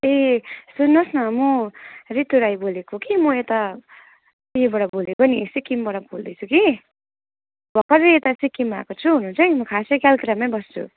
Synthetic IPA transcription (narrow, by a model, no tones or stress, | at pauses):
esunːʌsnʌmʌrit̪uɾajbolekokimʌet̪a | ebʌɽʌbolekonisikːimbʌɽʌbold̪ʌjt͡sʰuki | bʱʌkʌɾeet̪asikːima̰kot͡sʰuɦunũnt͡sʰʌjmʌkʰasekjalkɾamʌjbʌst͡sʰṵ